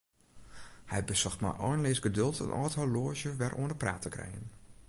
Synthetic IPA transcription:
hɛjbəsɔxtma̰ʔɔːnlɪsɡədɵlˠtə̰nʔɔ̰ːtɦɔloːʃjəʋɛrʔoəndəpra̰ːtʰəkrɛ̰jən

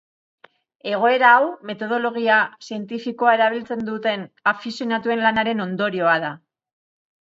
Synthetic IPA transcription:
e̞ɣ̞o̞e̞ɾaːwme̞t̪o̞ð̞o̞lo̞ɣiasie̞nt̪ifiko̞ae̞ɾaβ̞ilt͡se̞nd̪ut̪e̞nafisjo̞nat̪ue̞nlanaɾe̞no̞nd̪o̞ɾio̞aða

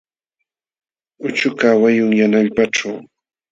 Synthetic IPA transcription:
ʊt͡ʃʊkawajʊŋjanaʎpaʈ͡ʂaw

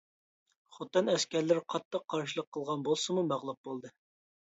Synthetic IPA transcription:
χot̪ːɨnɛskʲɛɾlɪɾqʰɑt̪ʰːəqʰːɑɾʃɨlˠəqʰːəlˠʁɑnbolˠsɨmumæʁlˠup̚b̥olˠd̪ɨ

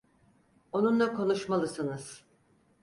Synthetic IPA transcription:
o̞nunlˠakʰo̞nuʃmalˠɯsɯnɯz̥

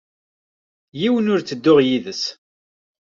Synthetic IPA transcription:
jiwənʊɾt͡sːəd̪ːʊʁjiðəs

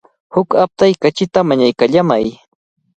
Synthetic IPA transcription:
hʊkap̚t̪ajkat͡ʃɪt̪amaɲajkaʎamaj

